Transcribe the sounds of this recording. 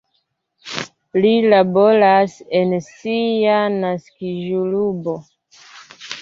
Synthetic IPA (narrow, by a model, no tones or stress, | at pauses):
lilabo̞ɾasensianaskiʒulubo